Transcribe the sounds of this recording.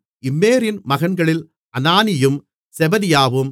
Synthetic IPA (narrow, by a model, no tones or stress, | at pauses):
ɪmːeːɾɪnmɐɣɐɳɡɐɭɪl | ʔɐnaːnɪjɯm | sɛbɐðɪjaːʋɯm